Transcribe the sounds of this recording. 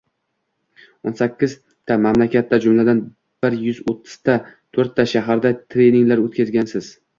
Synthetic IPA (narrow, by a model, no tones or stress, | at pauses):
onsakʲːɪz | t̪ʰamamlakʲat̪ʰːad͡ʒʊmlad̪an | b̥ɪɾjʊzot̪ʰːɪ̥z̥t̪ʰat̪ʰɵɾt̪ʰːaʃaɦaɾd̪at̪ʰɾe̞jniɪŋlaɾɵt̪̚kʲʰazɡʲansɪz̥